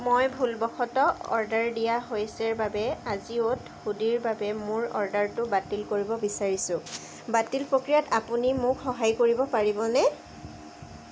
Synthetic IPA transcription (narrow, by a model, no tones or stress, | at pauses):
mojbʱulbɔxʰɔtɔɔ̰ɹdaɹdijaɦojsɛɹbabɛaziot | xudiɹbabɛmʊɹɔ̰ɹdaɹtʊbatilkoɹibɔbisaɹisʊ̃ | batilpɹokɹijatapunimʊkxɔɦajkoɹibɔpaɹibɔnɛ